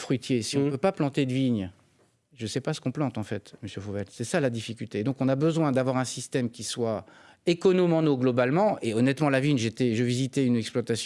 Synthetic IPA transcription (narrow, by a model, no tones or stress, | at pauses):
fχɥit̪jesiɔ̃pøpaplɑ̃t̪ed̪əviɲ | ʒəsɛpasə̥kɔ̃plɑ̃t̪ɑ̃fɛt̪məsjøfovɛlsɛsalad̪ifikʲylt̪ed̪ɔ̃kɔ̃nabəzwɛ̃d̪avwaʁɛ̃sist̪ɛmkʲiswa | ekɔnɔmɑ̃noɡlɔbalmɑ̃eɔnɛt̪mɑ̃laviɲʒet̪ɛʒəvizit̪ɛynɛksplwat̪asj̃